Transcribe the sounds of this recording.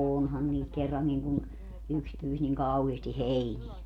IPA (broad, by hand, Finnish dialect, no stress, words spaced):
oːonhɑn niːt kerːɑŋːiŋ kun yks pyːs niŋ kɑuheːsti heiniɛ